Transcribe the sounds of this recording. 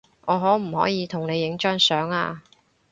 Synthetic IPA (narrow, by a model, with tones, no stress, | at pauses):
ʔɔː˨˧ɦɔː˨˥m̩˨˩hɔ̰ː˨˥jiː˨˧t̪ʰʊ˨˩ŋne˨˧jːɪ˨˥ŋt͡ʃœː˥ŋsœː˨˥ŋa̰ː˧